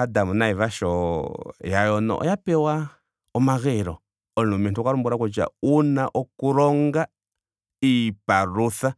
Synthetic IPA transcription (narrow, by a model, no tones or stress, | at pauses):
adamunaivaʃɔjajɔnɔ̰ʔɔ̰japɛwa | ɔmaɣɛɾɔ | ɔlumɛntukaɾumbuɾakɔt͡ʃa̰unaʔɔkuɾɔŋɡa | ipaɾuθa